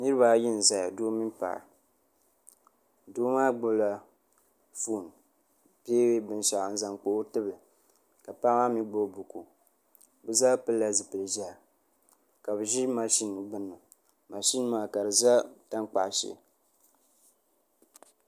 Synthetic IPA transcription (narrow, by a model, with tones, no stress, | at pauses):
nɨ˦ɾɨ˦ba˨˦ji˦n˨za˨ja˨doː˦mi˦npa̰˨ʔa̰˨ | doː˦maː˦ɡ͡bʊ˦bla˨ | fu˦˨n | pe˦we˦bɨ˨n˨ʃa˨ʔn̩˨za˨ŋk͡po˨˦tɨ˦bɨ˨lɨ˨ | ka˨pa˦ma˦mi˦ɡ͡bo˦bu˨ku˨ | bɨ˦za˦pɨ˦lːa˦zɨ˨pɨ˨lɨ˨ʒa˦˨ | ka˨bɨ˨ʒi˦ma˨ʃi˦n˨ɡ͡bɨ˦nːɨ˨ | ma˨ʃi˦n˦maː˦ka˨ɾɨ˨za˦ta˦ŋk͡pa̰˨ʔʃɛ̰˨